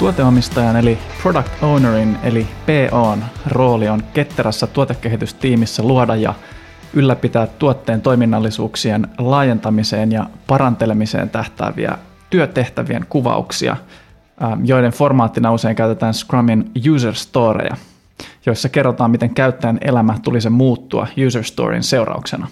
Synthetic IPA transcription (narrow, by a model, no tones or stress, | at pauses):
t̪uot̪eɑmist̪ɑjɑne̞lipro̞dɑkt̪ownerinḛlipeːʔoːnro̞ːlionke̞t̪ːeɾæsːæt̪uot̪ekːe̞ɦit̪yst̪iːmisːæluodɑjjɑ̰ | ylːæpit̪æːt̪ːuot̪ːe̞ːnt̪o̞jminːɑlːisṵːksienlɑːje̞nt̪ɑmise̞ːnjɑpɑɾɑnt̪e̞le̞mise̞̰ːnt̪æht̪æ̰ːʋḭæ̰ | t̪yøt̪e̞ht̪æʋie̞̰ŋkuʋɑ̰ṵksḭɑ̰ | jo̞jdeɱfo̞rmɑːt̪ːinɑuse̞iŋkæyt̪et̪æːnskrɑminjuːs̬erst̪o̞ːɾḛjɑ̰ | jo̞jsːɑke̞rːot̪ɑːmit̪e̞ŋkæyt̪ːæjæne̞̰læmæt̪ulisemuːt̪ːuɑ̰juːserst̪o̰ːrḭnse̞urɑ̰uksenɑ